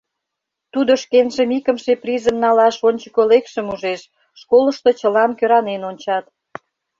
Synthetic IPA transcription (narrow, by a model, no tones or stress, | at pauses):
t̪ud̪oʃkenʒĕmikə̆mʃeprizə̆mnɑlɑʃonʲt͡ɕəkolekʃə̆muʒeʃ | ʃkolə̆ʃt̪ot͡ɕəlɑnkøɾɑnenonʲt͡ɕɑt̪